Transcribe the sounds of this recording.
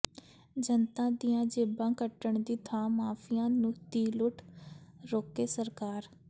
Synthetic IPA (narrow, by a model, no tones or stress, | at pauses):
d͡ʒənt̪ãːd̪ijãːd͡ʒeːbãːkəʈəɳd̪iːt̪ʰãːmaːfʰɪjãːnũːt̪iːlʊʈʰɾoːkeːsəɾkaːɾ